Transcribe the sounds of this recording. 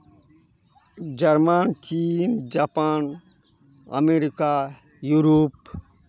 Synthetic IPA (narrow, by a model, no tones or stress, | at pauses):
d͡ʒɐɾmant͡ʃiːnd͡ʒapan | ɐ̰meɾika | juɾop